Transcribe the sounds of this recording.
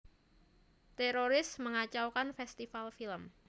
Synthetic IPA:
t̪eɾoɾɪsməŋat͡ʃawkanfɛst̪ifalfiləm

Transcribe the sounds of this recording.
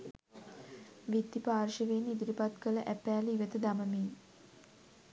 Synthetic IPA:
ʋid̪ːipaːrʃəʋenid̪uɾipat̪kələʔæpæːliʋət̪əd̪aməmeː

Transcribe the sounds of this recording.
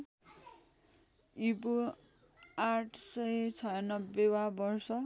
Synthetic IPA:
ip̬u | aʈʰsʌjt͡sʰʌnʌbewabʌrsʌ

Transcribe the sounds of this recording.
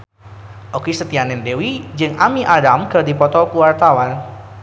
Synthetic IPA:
ʔokesət̪ianɛndewid͡ʒɨŋamiʔadamkɨrdipɔt̪ɔkəwart̪awan

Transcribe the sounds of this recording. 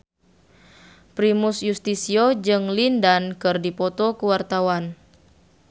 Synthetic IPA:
pɾimusjust̪isiod͡ʒɨŋlindankɨrdipɔt̪ɔkuwart̪awan

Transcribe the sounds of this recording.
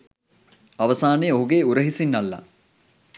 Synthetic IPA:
ɐʋɐsaːnejoɦuɡeuɾəɦisinːɐlːa̰

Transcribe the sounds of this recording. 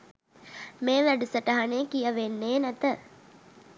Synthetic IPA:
meːʋæɖusəʈəɦaneːkijəʋenːeːnæt̪ə

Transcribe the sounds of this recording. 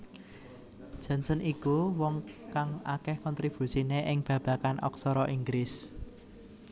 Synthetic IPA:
d̥ʒ̥a̤nsənikuwɔŋkaŋa̰kɛhkɔnt̪ɾib̥ṳsineʔɪŋb̥ä̤b̥ä̤kanʔɔ̰ksɔɾɔʔiŋɡɾɪs

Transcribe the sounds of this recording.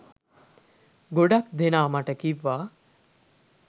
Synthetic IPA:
ɡoɽakd̪ʱenaːmaʈəkiʋa

